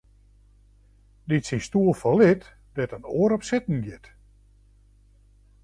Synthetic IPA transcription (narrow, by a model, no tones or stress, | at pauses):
ditsinstuəlˠfɔlɪt | dɛtənoəɾɔpsɪtn̩ɡɪt